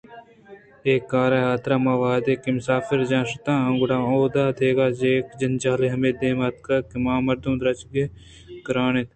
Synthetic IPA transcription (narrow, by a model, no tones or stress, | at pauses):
eːkːaːɾaːjaːt̪ɾaːmãːʋaːd̪eːkimʊsaːfɪɾd͡ʒãːʃʊt̪ãːɐŋɡʊɽãːoːd̪aːt̪ʰeːɡaːd͡ʒeːkd͡ʒɐnt͡ʃaːleɦɐmeːd̪eːmaːt̪̚kɐkimãːmɐɾd̪ũːd̪ɾɐt͡ʃɡe | kɾaːnet̪